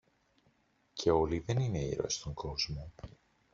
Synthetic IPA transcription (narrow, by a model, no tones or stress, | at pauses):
cʰe̞o̞liðe̞nine̞ḭɾo̞̰est̪oŋɡo̞zmo